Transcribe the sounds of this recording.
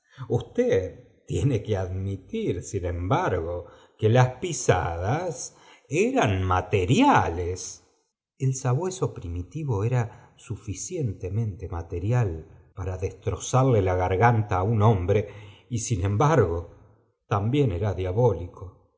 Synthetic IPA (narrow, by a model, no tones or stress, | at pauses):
ust̪eð | t̪ːjenekeaðmit̪iɾsinẽ̞mbaɾɣo̞ | kelaspisa̰ð̞as | eɾanmat̪eɾjales | elsaβweso̞pɾimit̪iβo̞eɾa | sufisje̞nt̪emẽ̞nt̪e̞mat̪e̞ɾjalpaɾaðest̪ɾo̞saɾlelaɣaɾɣant̪aːuno̞mbɾe̞isinẽ̞mbaɾɣo̞ | t̪ambje̞neɾaðjaβo̞likʰo